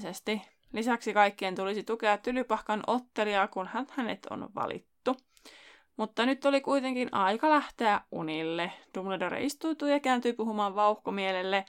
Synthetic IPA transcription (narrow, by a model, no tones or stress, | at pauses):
sest̪i | lisæksikɑjkːient̪ulisit̪ukeɑt̪ːylypɑhkɑnʔot̪ːeliɑkunhænhænḛt̪o̰nʋɑ̰lḭt̪ːu | mut̪ːɑnyt̪ːolikuit̪eŋkinɑikɑlæht̪eæʔʔṵnilːed̥umledoɾḛʔist̪uːt̪uːjɑkæːnt̪yipuɦumɑːʋʋɑuhkomielelːe